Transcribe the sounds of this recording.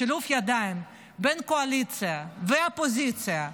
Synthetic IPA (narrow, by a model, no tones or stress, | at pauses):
ilufjad̪aɪm | bɛnkoalit͡sɪjavɛapozit͡sɪja